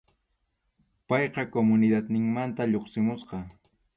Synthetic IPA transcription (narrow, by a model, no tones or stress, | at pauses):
pɑjqɑkomʊnɪd̪at̪nɪŋmant̪aʎoχsɪmʊsqɑ